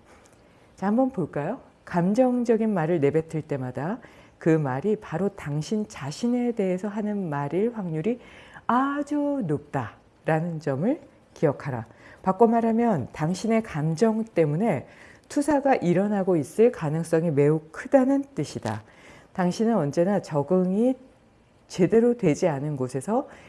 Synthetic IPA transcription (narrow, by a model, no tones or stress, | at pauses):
t͡ɕahambʌnpoɭk͈ajo | kamd͡ʑʌŋd͡ʑʌɡinmaɾɯɭne̞be̞tʰɯɭt͈e̞madakɯmaɾipaɾotaŋɕʰint͡ɕaɕʰine̞de̞ɦesʰʌɦanɯnmaɾiɭɸwaŋɲuɾiad͡ʑunop̚t͈a | ɾanɯnd͡ʑʌmɯɭ | kiʌkʰaɾa̰pak͈omaɾɦamjʌntaŋɕʰine̞kamd͡ʑʌŋt͈e̞mune̞tʰusʰaɡaʔiɾʌnaɡois͈ɯɭkanɯŋs͈ʌŋime̞ukʰɯdanɯnt͈ɯɕʰida̰ | taŋɕʰinɯnʌnd͡ʑe̞nat͡ɕʌɡɯŋi | t͡ɕe̞de̞ɾodwe̞d͡ʑianɯnɡosʰe̞sʰʌ